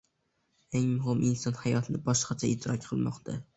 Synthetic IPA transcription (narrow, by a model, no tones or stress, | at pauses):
eŋmʊɦɪmʔɪnsɒnhajɒt̪ʰɪbɒʃqɑt͡ʃʰaɪʃt̪ʰːɪɾɒk̚ʲqʰɨlˠmɒqt̪ʰa